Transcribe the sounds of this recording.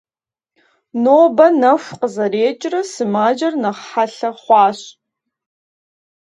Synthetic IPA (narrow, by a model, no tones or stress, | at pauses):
noːbɐnɐfʷqəzɐɾeːt͡ʃʼrɐsɨmaːd͡ʒɐrnɐχħaɬɐχʷɑːɕ